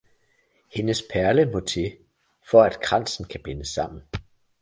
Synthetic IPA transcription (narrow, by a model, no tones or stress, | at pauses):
he̝nəspʰæɐləmɔ̽t͡sʰe̝ | fɒ̽æd̥kʰʁɑ̈n̰sn̩kʰæb̥e̝nəsɑ̈m̰n̩